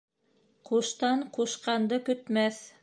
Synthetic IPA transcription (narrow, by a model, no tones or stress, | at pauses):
quʃt̪ɑɴquʃqɑnd̪ɤkɵ̆t̪mæθ